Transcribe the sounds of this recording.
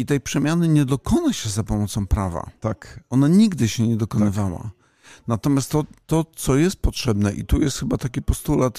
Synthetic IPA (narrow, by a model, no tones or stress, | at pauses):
it̪ɛjpʂɛmʲjanɘɲɛd̪ɔkɔnaɕɛzapɔmɔt̪sɔ̃w̃pɾava̰akɔnaɲiɡd̪ɘɕɛɲɛd̪ɔkɔnɘvawa̰ | nat̪ɔmʲjast̪ːɔt̪ɔt̪sɔjɛst̪̚pɔtʂɛbnɛʔḭt̪ujɛst̪xɘbat̪akʲipɔst̪ulat̪